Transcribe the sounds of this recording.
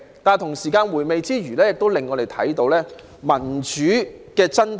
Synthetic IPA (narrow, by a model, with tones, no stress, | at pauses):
t̪aː˨nt̪ʰʊ˨˩ŋsiː˨˩kaː˧nwuː˨˩jme˨˧jt͡siː˥ɥyː˨˩lɛː˥jɪ˨k̚t̪o˥wlɪ˨ŋːɔː˨˧ɾe˨jt̪ʰɐ̰˨˥jt̪o˨˧wlɛː˥ | mɐ˨˩nt͡ʃyː˨˥kɛː˧t͡sɐ˥n